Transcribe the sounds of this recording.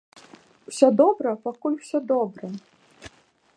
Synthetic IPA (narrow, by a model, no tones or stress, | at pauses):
w̥sʲɔd̪ɔbɾɐpakulʲw̥sʲɔd̪ɔbɾɐ